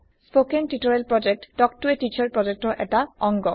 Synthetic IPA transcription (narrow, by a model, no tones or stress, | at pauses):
spokentitɔɹelpɹɔd͡ʒek̚tdɔk̚tuetit͡ʃɔɹpɹɔd͡ʒek̚tɔʔɛtaɔŋɡɔ